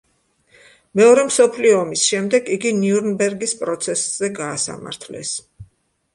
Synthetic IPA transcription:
mɛɔɾɛmsɔpʰliɔːmisʃɛmd̪ɛɡiɡiniuɾnbɛɾɡispʼɾɔt̪sʰɛsz̥ɛɡaːsa̰ma̰ɾt̪ʰlɛ̰s

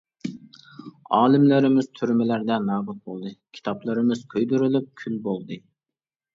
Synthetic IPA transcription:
ɑːlˠɪmlɪɾɪmɪzt̪ʰyɾmɪlæɾd̪ɛnɑːbut̪̚bolˠd̪ɨkʲʰi̥t̪ʰɑplˠɨɾɨmɪzkʰøjd̪yɾylˠyp̚kʲʰylbolˠd̪ɨ

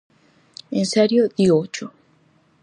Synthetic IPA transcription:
ẽnseɾjoðiot͡ʃo

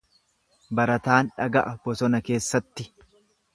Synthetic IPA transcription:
bɐɾɐt̪aːnᶑɐɡɐʔɐb̥ɔsɔnɐke̞ːsːɐt̪ːɪ

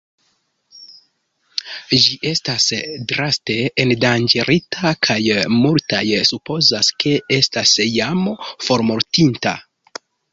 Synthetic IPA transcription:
ʒiʔe̞stasdɾaste̞endand͡ʒeɾitʰakʰajmultajsupo̞zaskʰe̞e̞stasjamfo̞ɾmoɾtinta̰

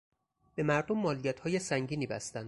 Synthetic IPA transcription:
b̥e̞mæɾd̪omːɒːlijæt̪ʰhɒːjesæŋɟiːniːbæst̪ænd̪

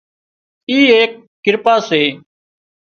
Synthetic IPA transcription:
iːeːkːɪɾpaːseː

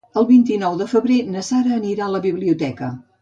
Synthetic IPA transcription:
əlˠβint̪inɔwðəfəβɾenəsaɾəːniɾaləβiβliut̪ɛkə

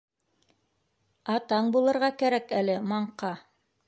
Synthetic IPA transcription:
ɑt̪ɑɴbulˠɤ̆ɾʁɑkæɾækælɘmɑɴqɑ

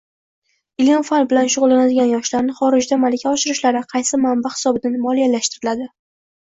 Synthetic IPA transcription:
ɪlonfalbɪlanʃʊʁʊlˠːanad̪ɪɡʲanjɒʃlaɾnɪχɒɾɪd͡ʒd̪amalɪkʲʰːaɒʃɪɾɪʃlaɾɪqʰɑjsɪmanbahɪ̥sɒbɪd̪anmɒlijalaʃt̪ɪɾɪlad̪ɪ

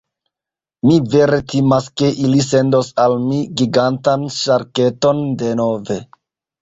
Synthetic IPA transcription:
mive̞ɾetimaske̞ʔilis̬e̞ndosalmiɡiɡantanʃaɾketo̞nde̞no̞ve̞

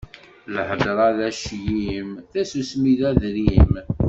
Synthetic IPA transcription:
ləħədɾˤɑðæʃjimθæsusmiðæðɾim

